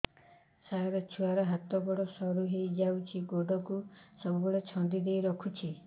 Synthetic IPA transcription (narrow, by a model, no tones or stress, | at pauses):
saɔɾɔt͡ʃʰuwaɾɔɦat̪ɔɡɔɽɔsɔɾuɦejd͡ʒawt͡ʃʰiɡoɖɔkusɔbubɔɽet͡ʃʰɔnd̪id̪ejɾɔkʰut͡ʃʰi